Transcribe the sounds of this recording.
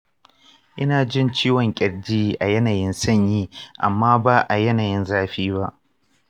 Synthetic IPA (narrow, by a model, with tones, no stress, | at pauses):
ʔɪ˦naː˨d͡ʒɪ˦nt͡ʃiː˦wɔ˨ŋkʲʼɪ˨ɽd͡ʒiː˦˨ʔa˨jɐ˦naː˨jɪ˦nsɐ˦˨ɲjiː˦ʔa̰˨mːaː˦ba˦ʔa˨jɐ˦naː˨jɪ˦nzaː˦ɸiː˦ba˦ʔ